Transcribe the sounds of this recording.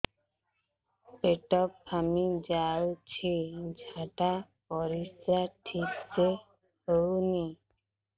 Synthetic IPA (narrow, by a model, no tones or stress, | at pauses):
peʈɔpːamid͡ʑawt͡ɕʰid͡ʑʱaʈapɔɾist̪ɾaʈʰik̚t͡ɕe | howni